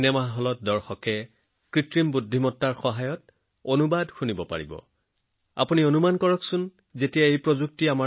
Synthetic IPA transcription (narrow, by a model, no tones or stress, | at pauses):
nɛmaɦɔlɔt̚dɔɹxɔkɛ | kɹitɹimbudʱːimɔtːaɹxɔɦajɔt | onubadxunibɔpa̰ɹḭbɔ̰ | a̰punionumankɔɹɔksʊn | zetijaejpɹozuk̚tiama